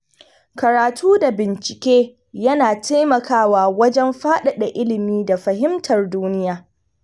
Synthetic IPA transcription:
kɐ˨ɾaː˨tʰuː˦da˨bɪ˨nt͡ʃɪ̥˨kʲeː˦ | jɐ˦naː˨tʰa˦jmɐ˨kʰaː˦waː˨wɐ˦d͡ʒɛ˦mɸaː˦ɗa˨ɗa˨ʔɪ˦lɪ˨miː˦da˨ɸɐ˨ɦɪ˦mtʰɐ˨rduː˦nɪ˦jaː˨

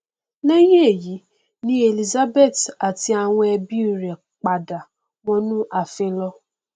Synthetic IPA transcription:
nɛ˦jẽ˦e˦˨ji˨˦ | nĩ˦e˨li˨za˦be˦˨ta˨ti˧˦a˨w̃ɔ̃˧ɛ˧bi˦˨ɾɛ˨ | k͡pa˨da˨ | wɔ̃˧nũ˦ʔa˨fẽ˧lɔ˧˦

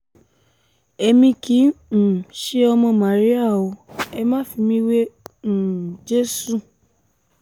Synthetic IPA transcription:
ɛ˧mĩ˧kĩ˨˦˨ | ʃe˦ɔ˧mɔ̃˧mã˨ɾi˦a˦˨o˧ɛ˧mã˦˨fi˧mĩ˦wẽ˦˨ | d͡ʒe˦su˦˨

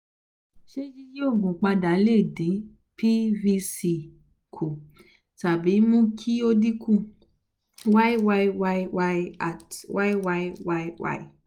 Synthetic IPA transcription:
ʃe˦d͡ʒi˦ji˦o˦˨ɡũ˨k͡pa˧da˨˦le˦˨dĩ˨˦ | pʰi˦vi˧si˧ | kʰu˨ | ta˨bi˨˦mũ˦kʰi˦o˦di˦kʰũ˦˨ | wa˦i˦wa˧i˧wa˧i˧wa˧i˧a˨twa˦i˦wa˧i˦wa˧˦i˦wa̰˧i˦˨

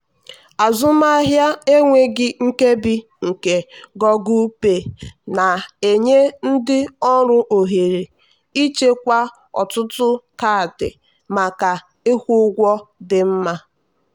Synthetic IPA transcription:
a˨zʊ˦ma˦ɦja˦e˦ŋʷe˦ɡɪ˦ŋ̩˦ke˦bi˦ | ŋ̩˨ke˨ɡɔ˦ɡu˦pe˨na˨e˨ɲe˦n̩˦dɪ˦ɔ˦ɾʊ˦ʔo˨ɦe˨ɾe˨ | i˦t͡ʃe˦kʷa˦ | ɔ̰˨tʊ˦tʊ˦ka˦˨dɪ̰˨ | ma˨ka˨ | ɪ˦hʷu˦ɡʷɔ˦dɪ˨m̩˦ma˦

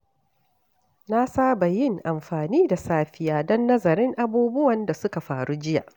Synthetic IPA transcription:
na˦saː˦ba˨jɪ˦ŋʔa˨mɸaː˨niː˦da˨saː˦ɸɪ˦jaː˨dɔ˦nːɐ˦zɐ˨ɾɪ˦ŋʔa˦buː˦bʊ˦wɐ˨nda˨sʊ˦ka˨ɸaː˨ɽu˦d͡ʒɪ˦ja̰˨ʔ

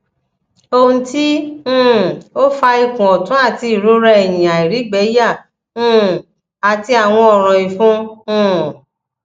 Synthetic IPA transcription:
o˧ũ˧tĩ˦˨ | o˦fa˧i˧kũ˨ɔ˨tũ˨˦a˦˨ti˧i˦˨ɾu˨˦ɾɛ˧ɛ˨j̃ĩ˨a˨i˨ɾi˨˦ɡ͡bɛ˨˦jã˦˨˦ | a˨ti˧a˨w̃ɔ̃˧ɔ˨ɾ̃ɔ̃˨i˨fũ˦

